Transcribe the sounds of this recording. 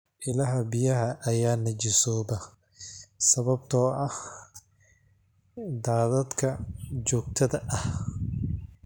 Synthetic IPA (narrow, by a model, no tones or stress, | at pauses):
ʔɪlɐɦɐbɪjɐɦɐʔɐjaːnɐt͡ʃɪsɔːbɐ | sɐβɐb̚t̪ʰɔːʔɐh | d̪aːðɐd̪kʰɐt͡ʃɔːɡt̪ʰɐðɐʔɐh